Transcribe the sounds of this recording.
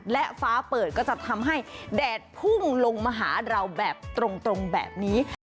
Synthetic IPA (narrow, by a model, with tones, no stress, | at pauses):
lɛ˦˥ʔfaː˦˥pɤː˨˩t̪̚kɔ˥˩t͡ɕa˨˩t̪ʰa˧mɦa˥˩jdɛː˨˩t̪̚pʰu˥˩ŋlo˧ŋmaː˧ɦaː˩˦ɾa˧wbɛː˨˩p̚t̪ɾo˧ŋt̪ɾo˧ŋbɛ̰ː˨˩p̚niː˦˥